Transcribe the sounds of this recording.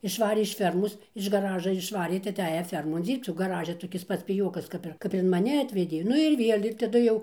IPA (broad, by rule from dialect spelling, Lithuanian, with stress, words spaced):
ɪʃˈʋɑːrʲeː ɪʃ ˈfʲɛrmoːs ɪʃ ɡɐˈrɑːʒɐ ɪʃˈʋɑːrʲeː tɐɪ ɐˈtʲæːjɛ ˈfʲɛrmoːn ˈd͡zʲiːrpt͡s oː ɡɐˈrɑːʒʲɛ toːˈkʲɪs ˈpɐts pʲɪˈjoːkɐs ˈkɐp ɪr ˈkɐp ɪr ɪn mɐˈnʲɪ ˈɑːtʲʋʲɛdʲeː ˈnʊ ɪr ˈʋʲiɛlʲ ɪr tɐˈdʊ jɛʊ